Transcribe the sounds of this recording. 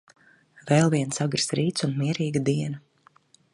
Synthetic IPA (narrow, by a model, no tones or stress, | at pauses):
vɛlˠviɛnsaɡɾsɾiːt̪sunmiɛɾiːɡad̪iɛna